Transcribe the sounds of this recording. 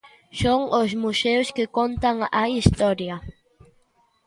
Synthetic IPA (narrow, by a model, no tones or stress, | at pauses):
ʃoŋʔos̬musewskɪkont̪aŋajist̪oɾja